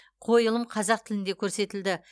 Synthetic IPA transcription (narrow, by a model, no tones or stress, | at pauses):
qʰo̞jəlˠəmqʰɑzɑq̚t̪ʰɪlɪnd̪ekʲʰɵɾse̞t̪ɪld̪ɪ